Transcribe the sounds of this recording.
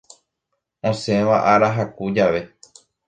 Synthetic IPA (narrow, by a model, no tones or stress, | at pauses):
õsẽʋaʔaɾaɦakud͡ʒaʋe̞